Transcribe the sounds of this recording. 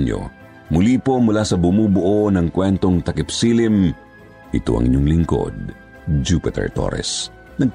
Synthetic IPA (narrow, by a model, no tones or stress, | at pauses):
ɲo̰ | mʊliːpo̞mʊlasɐbʊmuːbʊʔonɐŋkwɛnt̪o̞ŋt̪ɐkɪpsiːlɪm | ʔɪt̪o̰ʔɐ̰ŋʔɪ̰ɲoŋlɪŋko̞̰d̪̚ | d͡ʒupɪt̪ɛ̰ɹt̪o̰ɾɛ̰s | nɐɡ̚